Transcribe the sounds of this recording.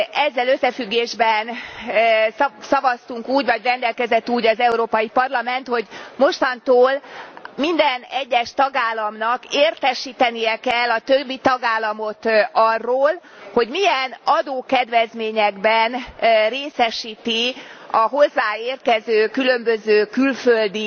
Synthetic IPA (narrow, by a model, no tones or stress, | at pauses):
ɛzːɛløsːɛfyɡːeːʒbɛn | sɒvɒst̪uŋkuːɟvɒɟrɛnd̪ɛlkɛzɛt̪ːuːɟɒzɛuɾoːpɒjipɒrlɒmɛn̪t̪ho̞ɟmo̞ʃt̪ɒnt̪oːlmind̪ɛnɛɟːɛʃt̪ɒɡaːlːɒmnɒkeːrt̪ɛʃiːt̪ɛnijɛkɛlːɒt̪øbːit̪ɒɡaːlːɒmo̞t̪ɒrːoːl | ho̞ɟmiɛnɒd̪oːkɛd̪ʋɛzmeːɲɛɡbɛnreːsɛʃiːt̪iɒɦo̞zːaːeːrt̪̚kɛzøːkylø̞mbøzøːkylføld̪i